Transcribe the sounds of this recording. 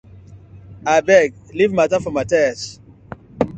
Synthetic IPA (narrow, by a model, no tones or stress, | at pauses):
abɛɡlivmatafɔmatɛs